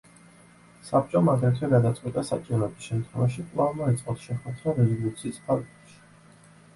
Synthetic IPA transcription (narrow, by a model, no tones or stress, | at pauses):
sap̚t͡ʃʼɔmaɡɾɛt̪ʰwɛɡad̪at̪sʼqʼwit̪ʼasa̰t͡ʃʼivɾɛbisʃɛmt̪ʰχwɛvaʃikʼlˠavmɔɛt̪sʼɔt̪ʃɛχwɛd̪ɾaɾɛzɔlˠut̪sʰiːspʰaɡɛpʃi̥